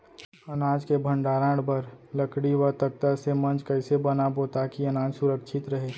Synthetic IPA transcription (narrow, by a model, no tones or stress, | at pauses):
ɐnaːd͡ʒkebʱə̃ɳɖaːɾãːɽbəɾləkɽiwət̪ək̚t̪asemɐ̃nt͡ʃkɛɪsebɐnaboːt̪akiɐnaːd͡ʒsʊɾəkʃʰɪt̪ɾɐɦeː